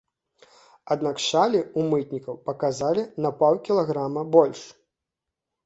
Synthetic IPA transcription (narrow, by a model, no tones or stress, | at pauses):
ad̪nakʂalʲiumɨt̪nʲikɐwpɐkazalʲinɐpawkʲilˠaɣɾamɐbɔlʲʂ